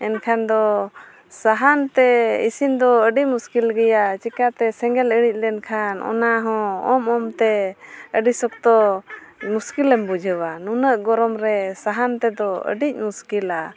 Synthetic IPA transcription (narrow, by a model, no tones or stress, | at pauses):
ɛnkʰand̪ɔ | saɦant̪ɛḭsind̪ɔəɖicmuskilɡɛjat͡ʃikat̪ɛsɛŋɡɛləɽic̚ˀlɛnkʰanɔ̰naɦɔ̃ɔmɔmt̪ɛəɖisɔk̚t̪ɔ | muskilɛmbud͡ʒʱəwanunəʔɡɔɾɔmɾɛsaɦant̪ɛd̪ɔə̰ɖic̚ˀmuskila